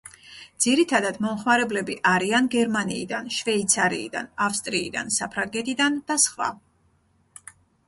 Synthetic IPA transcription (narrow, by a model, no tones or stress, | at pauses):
d̪z̥iɾit̪ʰad̪ad̪mɔmχmaɾɛblɛbiʔaɾianɡɛɾmanḭːd̪anʃvɛit̪sʰaɾḭːd̪a̰nafst̪ʼɾiid̪a̰nsapʰɾaŋɡɛt̪ʰid̪and̪̥asχva̰